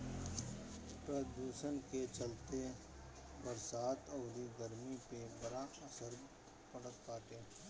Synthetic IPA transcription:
pɾəd̪uːʃənket͡ʃɐlt̪e | bəɾsaːt̪ɔːɾiɡəɾmipebɐɾaɐsəɾ | pɐɽət̪kaːt̪eː

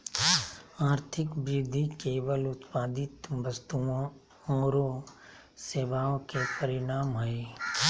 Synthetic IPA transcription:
aːɾt̪ʰɪkbɾɪd̪ʱːikeːʋəlʊt̪paːd̪ɪt̪ʋəst̪uõ | õːɾo | seːʋaːõkepəɾɪɽaːmɦəe

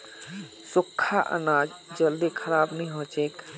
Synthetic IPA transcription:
sʊkʰːaʔə̰nad͡ʒd͡ʒəld̪ikʰəɾabnəĩɦõt͡ʃek

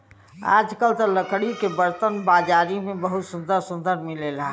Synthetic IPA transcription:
a̰d͡ʒkəlt̪ələkʰɽikebəɾt̪ənbad͡ʒaːɾimẽbəɦut̪sũnd̪əɾsũnd̪əɾmilela

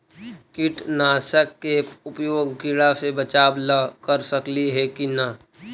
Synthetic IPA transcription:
kɪʈnaːsəkːeʊpjoːɡːɪɽasebət͡ʃaːbləkəɾsəkliɦɛkina

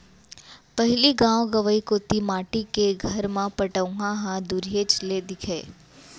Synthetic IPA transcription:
pəɦɪliɡãʋɡəʋəikot̪imaʈikeɡʱəɾmãpəʈəʋɡãɦãd̪uɾijet͡ʃled̪ɪkʰe

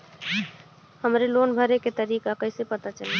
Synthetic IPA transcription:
həmɾelonbʱəɾeket̪əɾikakəɪsepət̪at͡ʃəli

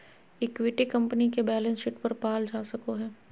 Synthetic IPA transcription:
ɪkʋɪʈikɐ̃mpənikebɛːlə̃nsʃɪʈpɐɾpaːld͡ʒaːsɐkoɦɛː

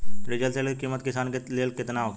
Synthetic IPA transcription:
ɾɪd͡ʒəlseːlkekiːmət̪kɪsaːnkleːlkɪt̪naok

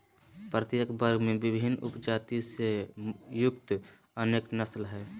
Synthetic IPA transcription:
pɾət̪jəkbəɾɡmẽbɪbʱɪnʊ̰pd͡ʒaːt̪isejʊkt̪ | əneːknəslɦɛː

